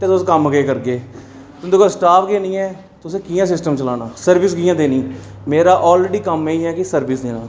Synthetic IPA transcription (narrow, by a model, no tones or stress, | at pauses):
t̪eːt̪ʊsẽːkəmɡeːkəɾɡeː | t̪ʊnd̪oːkəɾsʈaːpʰɡeːnĩːɛː | t̪ʊsẽːkiːjãːsɪsʈəmt͡ʃəlaːnaːsəɾʋɪskiːãːd̪eːnĩː | meːɾaːʔɔːlɾeːɖiːkəmeiːɦɛːkɪsəɾʋɪsd̪eːnãː